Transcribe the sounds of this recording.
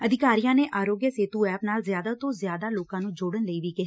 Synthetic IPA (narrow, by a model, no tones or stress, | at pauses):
əd̪ɪkaːɾijãːneːʔaːɾoːɡjəseːt̪uːɛːpnaːlzɪjaːd̪aːt̪õːzɪjaːd̪aːloːkãːnũːd͡ʒoːɽənləiːʋiːkɪɦa